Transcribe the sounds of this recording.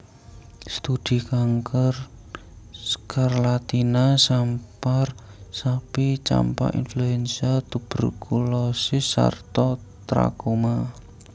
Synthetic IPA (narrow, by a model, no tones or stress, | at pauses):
st̪ud̪̥i̤kaŋkər | karlat̪inasamparsapit͡ʃa̰mpa̰ʔḭnfluɛnsiat̪ub̥ərkʰulɔsɪsːa̰rt̪ɔt̪ɾa̰koma